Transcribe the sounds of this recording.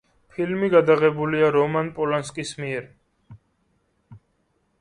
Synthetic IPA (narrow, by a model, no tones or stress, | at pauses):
pʰilmiɡad̪aʁɛbuliaɾɔmanpʼɔlanskʼismiɛɾ